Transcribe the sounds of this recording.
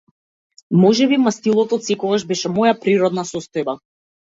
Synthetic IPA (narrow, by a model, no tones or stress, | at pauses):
mɔʒɛbimast̪ilˠɔt̪ɔt̪sɛkɔɡaʒbɛʃɛmɔjapɾiɾɔd̪nasɔst̪ɔjba